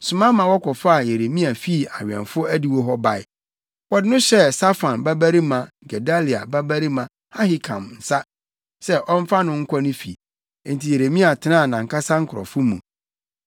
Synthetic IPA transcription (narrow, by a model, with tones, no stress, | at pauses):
sʊ˨mã˦mã˨wɔ˦kʰɔ˨fa˦a˨je˨ɾe˨mĩ˦a˨fi˦˨a˨ɥᶣɛ̰̃˨nfʊ˦æ˦di˨wɔ˦ɦɔ˦ba˨ɪ˦ | wɔ˨dɪ˦nʊ̃˦ɕɛ˦sa˦fã˨nba˦bæ˦ɾi˦mã˨ | ɡɛ˨da˦li˨a˨ba˦bæ˦ɾi˦mã˨ | ha˦hi˦kʰã̰˨mn̩˨sa˦ | sɛ˦ʔɔ̃˦m˦fa˦nʊ̃˦ŋ̩˦kʷʰɔ˦nʊ̃˦fḭ˨˦ | n̩˨tʰi˨je˨ɾe˨mĩ˦a˨tʰɪ˨˦nã˦˨nã˨ŋ˨ka˦sã˦ŋ̩˦kʰʊ˨ɔ̰˨fʊ˦mṵ̃˨